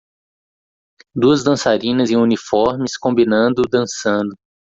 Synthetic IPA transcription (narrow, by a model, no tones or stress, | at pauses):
d̪uɐzd̪ɐ̃saɾĩnɐzẽj̃ũnifɔɾmɪskõmbinɐ̃nd̪ʊd̪ɐ̃sɐ̃nd̪ʊ